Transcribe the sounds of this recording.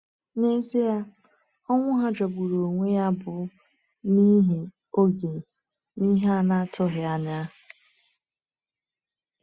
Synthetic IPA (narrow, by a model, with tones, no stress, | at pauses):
ne˦ze˦ja˦ | ɔ˦ŋʷʊ˦ɦa˦d͡ʒɔ˨bu˨ɾo˨ŋʷe˦ja˦bʊ˨ | ni˦ɦe˨ | o˦ɡe˨ | ni˦ɦa˦˨na˦˨tʊ˦ɦɪ˨a˦nɪ˨a˦˨